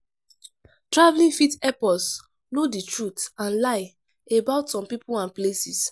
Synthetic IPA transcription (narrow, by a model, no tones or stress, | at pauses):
tɹavlĩŋfitɛpɔs | noditɹutãnlaɪ | ebaʊtsɔ̃mpipulãnplesis